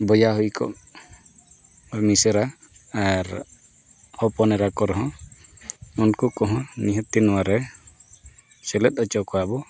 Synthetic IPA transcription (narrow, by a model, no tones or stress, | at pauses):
bɔjaɦujkɔ̰ʔ | misɛɾaaɾ | hɔpɔnɛɾakɔɾɔɦɔ̃ | unkukɔɦɔ̃niɦət̪̚ːinɔwaɾɛ | sɛlɛt̪̚ˀɔt͡ʃɔkɔabɔ